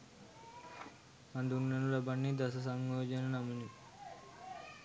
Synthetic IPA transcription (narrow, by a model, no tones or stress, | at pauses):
mɐnd̪unːɐnulɐbɐɳːid̪ɐsɐs̬ɐŋɡoːd͡ʒɐnɐnɐmuni